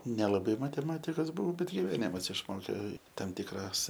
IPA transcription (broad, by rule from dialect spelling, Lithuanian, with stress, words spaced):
nʲɛlˠɐˈbɐɪ mɐtʲɛˈmɑːtʲɪkɐs ˈbʊʋɐʊ ˈbʲɛt ɡʲɪʋʲɛˈnʲɪmɐs ɪʃˈmoːkʲeː ˈtɐm ˈtʲɪkrɐs